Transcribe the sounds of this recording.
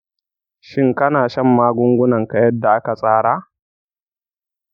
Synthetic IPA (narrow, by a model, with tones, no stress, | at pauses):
ʃɪ˦ŋkɐ˦naː˨ʃɐ˦mːaː˦ɡʷʊ˦ŋɡʷʊ˦nɐ˨ŋka˨jɐ˦dːa˨ʔa˦ka˨sʼaː˦ɽaː˦